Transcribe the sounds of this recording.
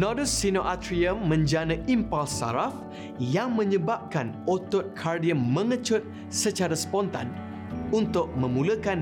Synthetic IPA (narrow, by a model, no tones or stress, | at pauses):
nɔdəsinoʔat̪ɾiəmːə̃ɲd͡ʒanə̃ʔimpalsa̰ɾaf | jaŋmə̃ɲəbap̚kanot̪ɔt̪̚kʰardiəmːə̃ŋət͡ʃʊt̪̚ | sət͡ʃaɾaspɔnt̪a̰n | unt̪ʊk̚mə̃mũləkan